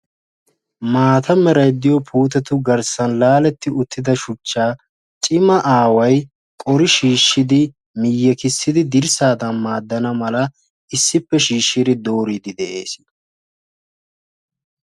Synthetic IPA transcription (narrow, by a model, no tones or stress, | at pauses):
maːt̪ɐmɛɾɐjd̪ːɪjɔpʰuːt̪̬ɛt̪ʊɡɐɾsɐnlaːlɛt̪ːɪʊt̪ːɪd̪ɐʃʊt͡ʃːaː | t͡ʃʼɪmɐʔaːwɐj | kʼɔɾɪʃiːʃːɪd̪ɪ | mɪjːɛkɪsːɪd̪ɪd̪ɪɾsaːd̪ɐnmaːd̪ːɐnɐmɐlɐ | ɪsːɪpːɛʃiːʃːɪɾɪd̪o̞ːɾid̪ɪd̪ɛʔe̞̰ːs